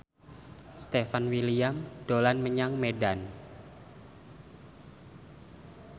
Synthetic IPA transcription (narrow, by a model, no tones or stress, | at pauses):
st̪efanwiliamd̥olanməɲaŋmedan